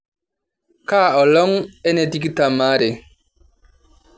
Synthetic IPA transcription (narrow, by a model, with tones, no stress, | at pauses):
ka˦˨ɔ˨lɔ˦ŋɛ˦ne˨ti˦ki˦ta˨maː˨˦ɾe˨